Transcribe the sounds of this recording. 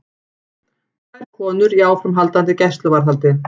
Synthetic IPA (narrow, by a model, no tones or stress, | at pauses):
kʰajɾ̥kʰɔːnʏɾiaːwfɾʏmɦalt̪ant̪ɪcɛjst̪lʏvaɾ̥ɦalt̪ɪ